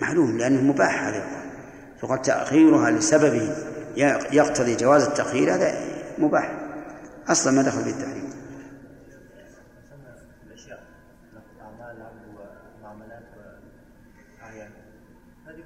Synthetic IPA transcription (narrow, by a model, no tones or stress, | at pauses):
maʕluːmlɪʔanːamʊbaːħhaːðajqaːl | jʊqaːlt̪a̰ʔxiːɾʊɦalɪsababɪhjjɑqt̪ɑðˤid͡ʒawaːzat̪ːaʔxiːɾhaːða̰mʊba̰ːħ | ʔɑsˤlɑnmaːd̪axalfit̪ːaħɾḭːm